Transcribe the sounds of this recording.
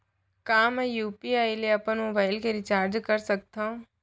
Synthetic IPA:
kaːmɛjuːpiaːileɐpənmoːbaːɪlkeɾɪt͡ʃaːɾd͡ʒkɐɾsɐk̚t̪ã

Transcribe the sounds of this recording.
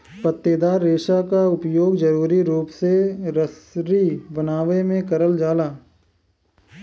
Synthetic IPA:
pɐt̪ːeːd̪aːɾːeːʃakaʊpjoːɡd͡ʒɐɾuːɾiɾuːpseɾəsɾibənaːʋemẽkɐɾəld͡ʒaːlaː

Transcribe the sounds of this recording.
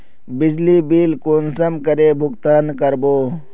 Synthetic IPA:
bid͡ʑliːbiːlkoːnsɐmkɐɾeːbʱʊkt̪aːnkɐɾboː

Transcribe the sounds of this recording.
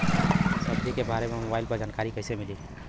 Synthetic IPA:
səbd͡ʒikebʱaɾememobailpəɾd͡ʒankaɾikəɪsemili

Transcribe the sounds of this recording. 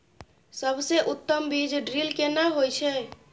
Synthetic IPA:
səbseʔut̪ːəmbid͡ʒɖɾilkenaɦojt͡ʃʰɛ

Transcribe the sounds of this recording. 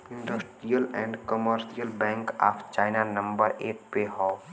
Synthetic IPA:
ɪ̃ɳɖəsʈɾijəlɛ̃ːɳɖkɔməɾʃijəlbɛ̃ːŋka̰ːpʰt͡ʃaːɪnanɐ̃mbəɾeːʈ̚peɦɔː

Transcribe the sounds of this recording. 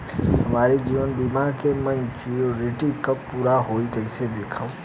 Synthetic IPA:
ɦɐmaːɾid͡ʒiːʋənbimaɾkemɐ̃nt͡ʃioɾɪʈikɐpːuːɾaɦoːikɐɪsed̪eːkʰa

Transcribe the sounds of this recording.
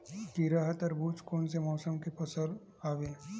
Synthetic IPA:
kiɾaːɦət̪ɔɾbuːt͡ʃkoːnsemɔːsəmkepɐsəɾ | aːʋẽː

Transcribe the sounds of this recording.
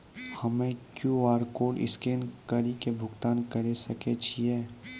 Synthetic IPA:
hɐmẽkjuaːɾkoːɖɪ̰skeːnkəɾikebʱʊɡt̪aːnkɐɾesɐket͡ʃʰiɦɛː

